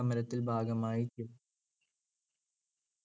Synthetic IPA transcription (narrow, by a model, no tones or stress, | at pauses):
ɐmɐɾɐt̪ːilbʱaːɡɐmaːjit͡ɕːu